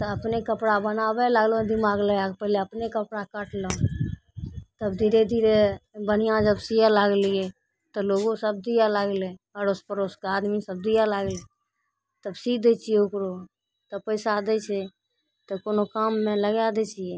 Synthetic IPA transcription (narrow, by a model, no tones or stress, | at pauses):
t̪əəpnekəpɽabənabɛləɡlõd̪imaɡlɛapəɦleəpnekəpɽakəʈlə̃ | t̪əbd̪ʱiɾed̪ʱiɾebənijãd͡ʒəbsijalaɡliɛ | t̪əloɡõsəbd̪ijalaɡleəɾospəɾoskaːd̪misəb̚d̪ijalaːɡle | t̪əbsikd̪ɛt͡ʃijeʊkɾo | t̪əpəɪsad̪ɛt͡ʃʰɛ | t̪əkonokamːẽləɡjad̪ɛt͡ʃijɛ